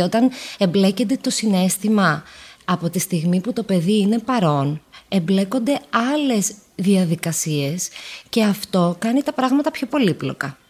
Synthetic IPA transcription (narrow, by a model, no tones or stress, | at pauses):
o̞t̪ɐne̞mble̞cend̪e̞t̪o̞sine̞st̪imɐɐpo̞t̪ist̪iɣmiput̪o̞pe̞ðiine̞pɐɾo̞ne̞mble̞ko̞nd̪e̞ɐle̞zðiɐðikɐsie̞sce̞ɐft̪o̞kɐnit̪ɐpɾɐɣmɐt̪ɐpço̞po̞liplo̞̰kɐ